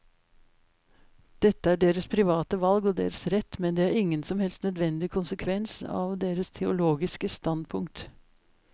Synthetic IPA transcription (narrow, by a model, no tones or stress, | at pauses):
d̪̥ɛt̪ːəæːɖeːɾəspʰɾɪʋɑːt̪əʋɑlɡɔːd̪ḛːɾəsɾɛt̪ːmɛnd̪eːæːɾɪŋːənsɔmhɛlst̪nœd̪ʋɛnd̪ɪkʰʊnsəkʰʋɛnsɑ̰ːʋd̪eːɾəst̪ʰɛʊloːɡɪskəst̪ɑnd̪̚pʰʊŋk̚t̪